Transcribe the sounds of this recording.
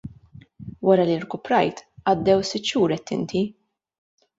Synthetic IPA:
wɐɾɐliɾkʊpɾɐjt̪ʔɐd̪ːɛwsɪt̪ːʃuːɾɛt̪ːɪ̰nt̪i

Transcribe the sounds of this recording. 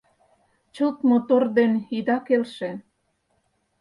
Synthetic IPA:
t͡ɕot̪mot̪ord̪enid̪ɑkelʃĕ

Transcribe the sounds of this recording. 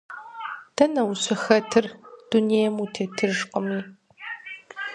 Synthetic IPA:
d̥ʰɐnɐwɕɨxɐtʰɨrd̥unejɛmutʰeːtʰɨrʒqʼəmiː

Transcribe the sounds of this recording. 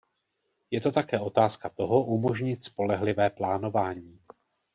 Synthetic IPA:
jɛt̪o̞t̪akɛːʔo̞t̪aːskat̪o̞ɦo̞ʔumo̞ʒɲɪt̪spo̞lɛɦlɪvɛːplaːno̞vaːɲiː

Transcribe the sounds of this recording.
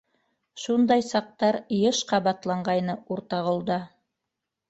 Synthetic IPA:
ʃund̪ɑjsɑq̚t̪ɑɾjɤʃqɑβɑt̪lˠɑɴɢɑjnɤuɾt̪ɑʁŏlˠd̪ɑ

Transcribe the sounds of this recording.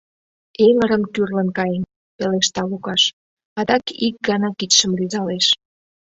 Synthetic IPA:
eŋəɾəmkyrlə̆nkɑjən | peleʃt̪ɑlukɑʃ | ɑd̪ɑkik̚ɡɑnɑkit̪ʃə̆mlyzɑleʃ

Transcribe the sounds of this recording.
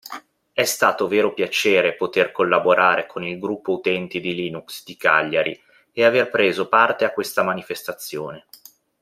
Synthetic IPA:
ɛst̪aːt̪oveːɾopjat͡ʃeːɾepot̪erkolːaboɾʔaːɾekʰonilɡɾupːout̪ɛnt̪id̪iliːnuksd̪ika̰ʎːaɾḭ | eaverpɾeːzopart̪eakːwest̪amanifest̪at̪sːjo̰ːne

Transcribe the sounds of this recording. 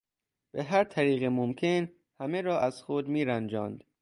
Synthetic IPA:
b̥eɦæɾt̪ʰæɾiːɣemomkʰe̞n | hæme̞ɾɒːʔæz̥xod̪miːɾænd͡ʒɒːnd̪̥

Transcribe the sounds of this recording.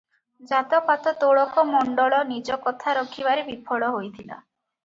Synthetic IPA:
d͡ʒat̪ɔpat̪ɔt̪oɭɔkɔmɔɳɖɔɭɔnid͡ʒɔkɔt̪ʰaɾɔkʰibaɾebipʰɔɭɔɦojt̪ʰila̰

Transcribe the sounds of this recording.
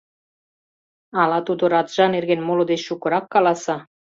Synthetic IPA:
ɑlɑt̪ud̪oɾɑt̪ʒ̥ɑnerɣenmolŏd̪et͡ɕʃukɤ̆ɾɑkːɑlɑsɑ

